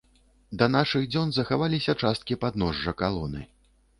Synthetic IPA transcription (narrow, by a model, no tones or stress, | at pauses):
d̪ɐnaʂɨɣd͡zʲɔnzɐxavalʲisʲɐt͡ʂast̪̚kʲipad̪nɔʐːɐkalˠɔnɨ̰